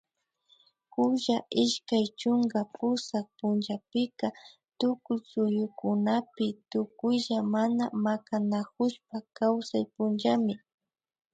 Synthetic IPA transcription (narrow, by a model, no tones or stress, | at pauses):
kʊʒaʔɪʃkajt͡ʃʊŋɡapʊsak̚pʊnd͡ʒapɪka | t̪ʊkʊjsʊjʊkʊnapɪt̪ʊkʊjʒamanamakanakʊʃpakawsajpʊnd͡ʒamɪ